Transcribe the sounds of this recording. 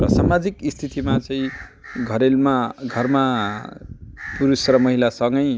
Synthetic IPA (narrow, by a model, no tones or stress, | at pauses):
rʌsamad͡zikist̪ʰit̪ʰimat͡sʌĩɡʱʌɾelmaɡʱʌrma | puɾusrʌmʌɦilasʌŋɡʌj